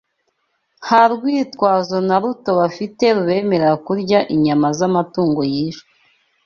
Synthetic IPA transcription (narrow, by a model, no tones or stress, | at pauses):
haɾɡwiːtkwaːzo̞naɾuto̞βafite̞ɾuβe̞ːme̞ɾeɾakuɾɟaʔiɲamazamatuːŋɡo̞jiːʃo̥